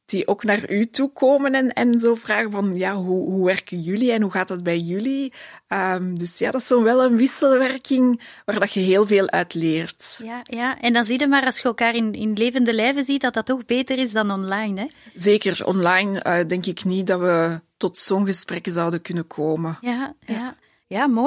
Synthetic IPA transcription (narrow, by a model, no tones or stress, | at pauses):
d̥iʔoːknaːrytukoːmənɛnɛnzoːvraːɣəvɑnjaːɦuɦuʋɛrkənjyliɛnɦuɣaːtdɑt̚bɛjjyliəːmdɵsja̰ːdɑsoːnʋɛlˠənʋɪsəlʋɛrkɪŋ | ʋaːrdɑxəɦeːlˠveːlˠʔœ̰ːtleːrtjjaːʔɛndɑnzidəmaːɾɑlˠsxəəlˠkaːrɪnɪ̰nleːvəndəlɛːvəzit̚dɑt̚dɑtːɔxbeːtərɪzdɑnɔnlɑjnɛzeːkərɔ̰nlɑjnəːdɛŋkɪknit̚dɑʋətɔtsoːnɣəsprɛkəzɑwdəkʏnəkʰoːmənjaja | jaːmoː